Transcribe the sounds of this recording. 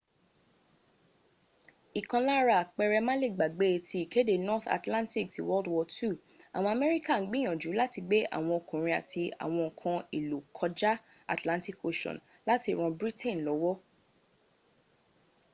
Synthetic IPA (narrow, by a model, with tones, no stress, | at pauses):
i˨kã˧la˦ɾa˦˨k͡pɛ˧ɾɛ˧mã˦le˦˨ɡ͡ba˨ɡ͡be˨˦tʰi˧i˨ke˦de˦˨nɔ˦θa̰˨tlã˦nti˦˨k̚ti˨wɔ˦ldwɔ˧tu˦˨ | a˨w̃ɔ̃˧a˧˨mɛ˦ɾi˦ka˦˨n̩˦ɡ͡bi˦j̃ɔ̃˨d͡ʒu˨˦la˦ti˧ɡ͡be˦ʔa̰˦˨w̃ɔ̃˧o˨kũ˨ɾ̃ĩ˧a̰˨ti˧a̰˨w̃ɔ̃˧ɔ˨kʰã˧i˨lo˨kʰɔ˧d͡ʒa˦ | a̰˨tlã˦nti˦˨ko˧ʃɔ̰̃˨n | la˦ti˧ɾ̃ɔ̃˧bɾi˦tʰẽ˦˨nlɔ˨˦wɔ˦